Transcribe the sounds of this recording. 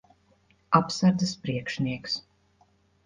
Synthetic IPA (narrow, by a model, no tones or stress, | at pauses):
apsaɾd̪zɨspɾiɛkʃniɛks